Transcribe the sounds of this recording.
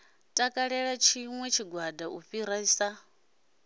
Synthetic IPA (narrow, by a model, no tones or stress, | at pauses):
tʼakʼaɺɛɺat͡ʃʰiŋwɛt͡ʃʰiɡwadauɸiɾaisa